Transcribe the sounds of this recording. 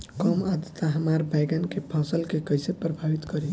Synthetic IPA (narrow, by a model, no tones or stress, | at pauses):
kɔmad̪ət̪ːaɦəmaɾbajɡankepʰasəlkekəjsepɾəbʱabit̪kəɾi